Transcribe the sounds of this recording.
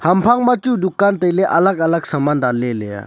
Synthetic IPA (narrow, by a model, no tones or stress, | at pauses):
hɐmpʰaŋmat͡ʃud̪ukant̪əjlɛʔɐləɡɐləɡsamanɾalɛlɛja̰